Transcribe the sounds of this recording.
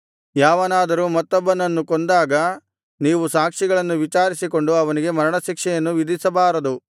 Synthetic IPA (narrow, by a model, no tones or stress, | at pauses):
jaːʋɐnaːd̪ɐɾuːmɐt̪ːɔbːɐnɐnːukond̪aːɡɐ | niːʋusaːkʂiɡɐɭɐnːuʋit͡ʃaːɾisiko̞ɳɖuɐʋɐniɡe̞mɐɾɐɳɐʃikʂɛjɐnːuʋid̪isɐbaːɾɐd̪u